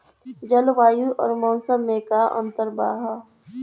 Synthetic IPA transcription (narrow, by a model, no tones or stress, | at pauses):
d͡ʒɐlʋaːjuʔɔ̰ːɾmɔ̃ːnsəmːẽːkaːʔɐ̰̃nt̪əɾba̰ːɦa